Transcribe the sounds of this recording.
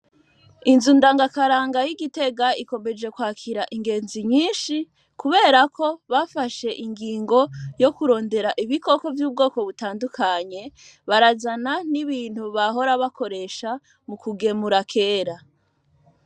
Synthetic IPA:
inzundaːŋɡakaɾaːŋɡajiɡite̞ɡaiko̞me̞d͡ʒe̞kwaːkʰiɾaʔiŋɡe̞ːnziɲiːnʃi | kuβe̞ːɾako̞βafaʃe̞ʔiŋɡiːŋɡo̞jo̞kuɾo̞ːnde̞ɾaʔiβiko̞ko̞vjuːb̚ɡo̞ːko̞βutaːndukʰaɲe̞βaɾazananiβiːn̥huβaɦo̞ɾaβakʰo̞ɾe̞ʃa | mukuɡe̞muɾakʰe̞ːɾa

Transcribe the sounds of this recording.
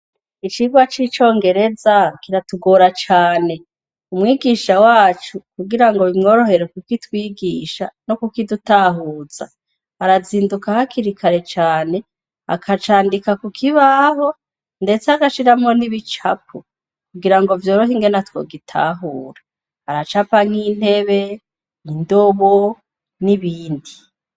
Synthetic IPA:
it͡ʃiɡwat͡ʃit͡ʃo̞ːŋɡe̞ɾe̞zakiɾatuɡoːɾat͡ʃaːne̞ | umŋiːɡiːʃawaːt͡ʃukuɡiɾaŋɡo̞βimŋo̞ːɾo̞ɦe̞ɾekukitwiːɡiːʃanokukidutaɦuːz̥a̰ | aɾaziːndukahakʰiɾikʰaɾe̞t͡ʃaːne̞ | a̰kʰat͡ʃaːndikakukʰiβaɦo̞ | nde̞t͡seaɡaʃiɾamŋo̞niβit͡ʃapʰo | kuɡiɾaŋɡovjo̞ːɾoɦiŋɡe̞natwo̞̰ːɡitʰa̰ːɦuːɾa | aɾat͡ʃapaŋ̥in̥he̞βe̞ | indoβo | niβiːndi

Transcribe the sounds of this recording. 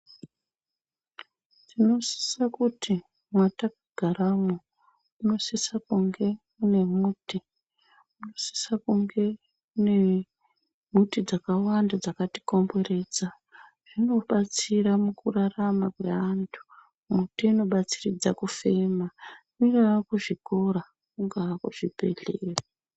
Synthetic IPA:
tino̞si̥sakutʰi | mwatak̚aɡ̥ʱaramo | uno̞sisakuŋɡe̞ | une̞muːti | unosi̥sakuŋɡe̞ | une̞ | mutid͡zakawandad͡zakati̥ko̞mbo̞re̞ːd͡za | ʐ̥ino̞ɓat͡siramukuraramakwḛantʰu̥ | mutiino̞ɓat͡sirid͡zakufe̞ma | iɡakuʐiko̞ɾa | kuŋɡakuʐ̥ipeɮera

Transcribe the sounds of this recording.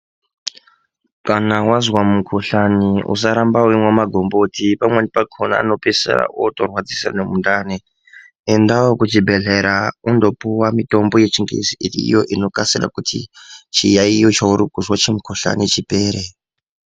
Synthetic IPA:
kanawazwamukʰoɬaniṵsaɾambauimwamaɡʱo̞mbotipamwenipakʰona̰ːno̞pesḛɾa̰ʔotorwad͡zisa̰nemundaːne | endawokut͡ʃibʱe̞ɮeɾaundo̞puwamito̞mbo̞je̞t͡ʃiŋɡḭziḭjoʔino̞kasira̰kutʰḭt͡ʃijaijot͡ʃauɾukuzwat͡ʃemukʰoɬa̰nit͡ʃipe̞ːɾe

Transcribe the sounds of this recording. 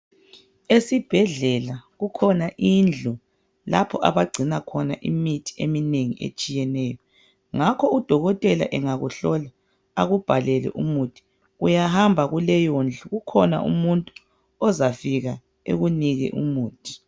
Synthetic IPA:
esib̥ʱɛɮɛlaɣukʰɔnaʔind͡ɮʱu | lapʰɔʔa̰βaɡ͡ǀʱinakʰɔnaʔimitʰi̥emineŋḭʔḛt͡ʃʼijɛnɛːjɔ | ŋakʰɔud̥ʱɔɣɔtʼɛla̰ʔɛŋaɣuɬɔlaː | ɣub̥ʱalɛlɛ̰ʔumutʰi̥ | ujahambʱaɣulɛjond͡ɮʱuɣukʰɔna̰ʔṵmuntʼu | ɔzafiɣa | ḛɣuniɣɛ̰ʔṵmuːtʰi̥

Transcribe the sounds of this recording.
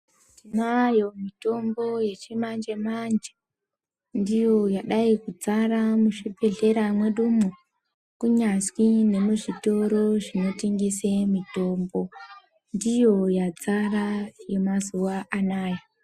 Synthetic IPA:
tdinajomito̞mbo̞je̞t͡ʃimand͡ʒe̞mand͡ʒe | ndijo̞jaɗaikud͡zaɾamuʂibe̞ɮe̞ɾamwe̞ɗumu | kuɲaswine̞muʐito̞ɾo̞ʐino̞tiŋɡisemito̞mbo̞ | ndijo̞jad͡zaraje̞mazuʋaʔanaːja

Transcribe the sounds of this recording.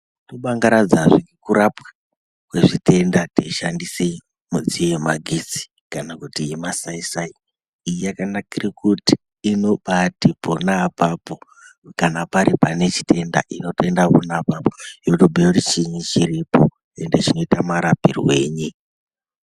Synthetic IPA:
toɓaŋɡaɾad͡zaʐiikuɾapḁ | kwe̞ʐite̞ndateʃandisei | mud͡ziojemaɡʱit͡si̥ | kanakutijimasaisai | ijakanakirikuti̥ː | no̞ɓatiponaːpapo̞ | kanapaɾipane̞t͡ʃi̥te̞nda̰ʔino̞te̞ndaponaːpapojotobʱeurit͡ʃiɲit͡ʃiɾipo̞ | e̞nde̞t͡ʃino̞itamaɾapirwe̞̰ːɲi

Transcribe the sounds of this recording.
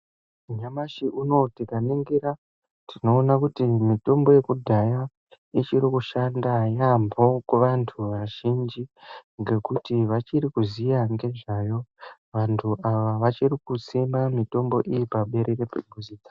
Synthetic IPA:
ɲamaʃiʔuno̞tikaniŋɡiɾa | tʰino̞ːnakutimito̞mbo̞je̞kudʱaja | it͡ʃiɾikuʃandajambo̞kuʋantʰuʋaʒind͡ʒiŋɡe̞kutiʋat͡ʃirikuzijaŋɡe̞ʐajo̞ | ʋantʰuʔaʋaʋat͡ʃirikut͡simamito̞mbo̞ʔijipaɓe̞ɾerepebʱuziːd͡zḁ

